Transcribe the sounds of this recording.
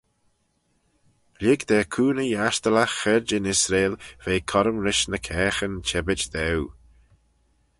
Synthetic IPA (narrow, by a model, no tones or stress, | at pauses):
lɪɡd̪ɛːkʰuːnəjaʃt̪ələxɛɹd͡ʒɪnɪsɾeːlv̥eːkʰɔɾəmɾɪʃnəkʰɛːxənt͡ʃʰɛbɪt͡ʃd̪ɛw